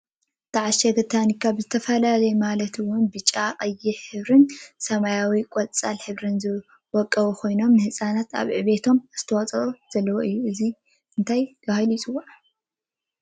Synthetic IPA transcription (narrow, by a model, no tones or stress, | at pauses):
t̪ʰaʕaʃɐɡɐt̪ʰanikʰːaβzɨt̪ʰɐfɐlalɐjmalɐt̪ʰɨwʊnbɨt͡ʃʼaqʼɐjːɪħhɨβɾɨnsɐmajawikʼɔlt͡sʼalħɨβɾɨnzɨ | wɔkʼːɐβukʰo̞jno̞mnɨhɨsʼanat̪ʰa̰βʕɨβe̞t̪ʰo̞mz̥ɨ̥t̪ʰɐwɔt͡sʼɐχʼoz̥ɐlːɐwoʔɨjːuʔɨzi | ɨnt̪ʰajɡ̪ahajlit͡sʼɨwːo